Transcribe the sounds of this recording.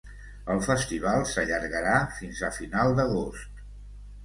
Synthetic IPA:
əlˠfəst̪iβ̞alˠsəʎəɾɣəɾafinzəfinalˠd̪əɣost̪

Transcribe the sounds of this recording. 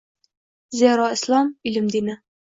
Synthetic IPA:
zʲæɾɑɘ̆slˠɑmilɘmd̪inɘ

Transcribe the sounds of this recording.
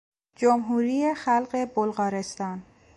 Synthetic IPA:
d͡ʒomɦuːɾiːjexælɢe̞bolɢɒːɾest̪ɒːn

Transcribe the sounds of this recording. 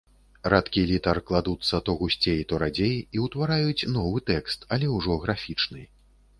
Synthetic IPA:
rat̪kʲilʲit̪ɐrklˠad̪ut̪sːɐt̪ɔɣusʲt͡sʲejt̪ɔɾad͡zʲejiwt̪vaɾajut͡sʲnɔvɨt̪ɛkst̪ɐlʲɛwʐɔɣɾafʲit͡ʂnɨj

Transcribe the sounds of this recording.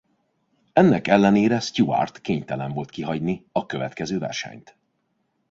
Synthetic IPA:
ɛnːɛkɛlːɛneːɾɛst̪ua̰rt̪keːɲt̪ɛlɛɱvo̞lt̪kiɦɒɟniɒkø̞vɛ̰t̪kɛzøːvɛ̰rʃɛ̰ɲt̪

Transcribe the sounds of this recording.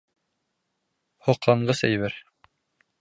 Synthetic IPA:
hŏqlˠɑɴɢɤsæ̰jβɘɾ

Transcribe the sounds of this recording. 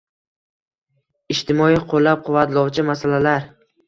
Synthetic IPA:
ɪʃt̪ɪmɒiqʰolːap̚qʰʊvːat̪lˠɒwt͡ʃʰɪmasalalaɾ

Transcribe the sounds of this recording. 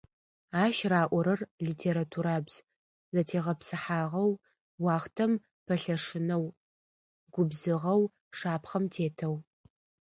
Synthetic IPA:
aːʃraːʔʷɔɾɐrɮiːtʰeːɾatʰuɾaːbz̥ | zɐtʰeːʁɐpsɨħaːʁɐw | wɑːχtʰɐm | pʰɐɬɐʂɨnɐw | ɡʷʊbzɨʁɐw | ʂaːpχɐmtʰeːtʰɐw

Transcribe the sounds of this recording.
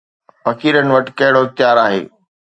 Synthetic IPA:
fɐkʰiːɾənɪ̆ʋɐʈɪkɐɦɪɽoɪxt̪ɪjaːɾaːɦḛː

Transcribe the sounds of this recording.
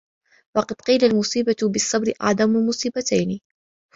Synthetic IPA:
wɑqɑd̪̥qiːlalmʊsˤiːbat̪bɪsˤːɑbɾɪʔɑ̰ʕd̪ˤɑmʊlmʊsˤiːbat̪ajnɪ

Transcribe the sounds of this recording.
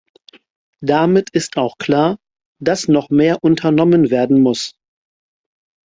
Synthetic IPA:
d̥amɪtʰɪstʰaʊxkʰl̥aːɐ | d̥asnɔχmeːɐʔʊntʰɐnɔmənveːɐdn̩mʊs

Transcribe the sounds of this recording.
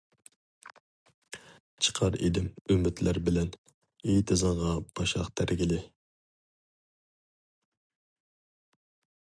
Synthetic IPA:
t͡ʃʰə̥qʰɑɾḛd̪ɪmymːɪt̪læɾbɪlɛn | ejt̪ʰɪzɨɴʁɑb̥ɑʃɑ̰qt̪ʰæɾɡʲilɪ

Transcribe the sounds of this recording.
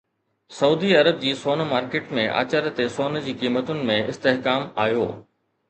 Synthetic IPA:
sɐuːd̪iɐɾəb̚d͡ʑiːsoːnmaːɾkeːʈmẽʔa̰ːt͡ɕəɾt̪esoːnd͡ʑiːkiːmət̪ʊnɪ̆mẽɪst̪eɦkaːmaːjo̰ː

